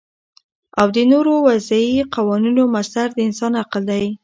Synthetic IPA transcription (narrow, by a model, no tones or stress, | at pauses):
awd̪ənoɾowazaiqawɑninomasaɾd̪əɪnsɑnaqəld̪aj